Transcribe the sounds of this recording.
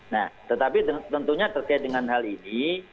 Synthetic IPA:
naht̪ət̪apit̪ət̪ənt̪uɲat̪ərkaɪt̪̚dəŋanɦalini

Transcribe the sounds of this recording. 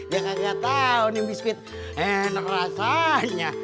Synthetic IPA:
d͡ʒakakiat̪aunibiskɪt̪̚ | enəkrasaɲa

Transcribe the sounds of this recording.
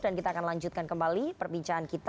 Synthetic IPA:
dankit̪aːkanlaɲd͡ʒut̪̚kankəmbalipərbiɲt͡ʃaankit̪

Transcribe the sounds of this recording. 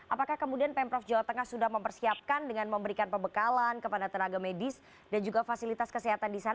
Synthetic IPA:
ʔapakahkəmudianpɛmpɾɔfd͡ʒawaht̪əŋahsudahməmpərsiap̚kandəŋanməmbəɾikanpəmbəkalankəpadat̪ənaɡamedɪs | dand͡ʒuɡafasilit̪askəsɛɦat̪andisana

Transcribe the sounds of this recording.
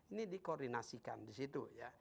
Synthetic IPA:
inidikordinasika̰ndisit̪uja

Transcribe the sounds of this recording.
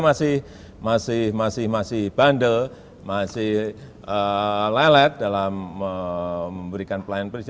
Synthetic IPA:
masɪh | masɪhmasɪhmasɪhb̥andəl | masɪh | əlɛlɛt̪̚dalaməːəmbəɾikanpəlajɪnpɾis

